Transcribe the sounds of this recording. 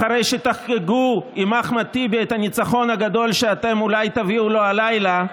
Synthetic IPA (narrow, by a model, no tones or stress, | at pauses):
aɾejʃet̪aχkeɡuimaχmat̪ibet̪hanit͡saχo̞nhaɡad̪o̞lʃeat̪e̞mulajt̪aviulo̞alajla